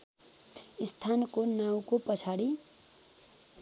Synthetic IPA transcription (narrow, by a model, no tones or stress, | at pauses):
ist̪ʰankonaw̃kopʌt͡sʰaɽi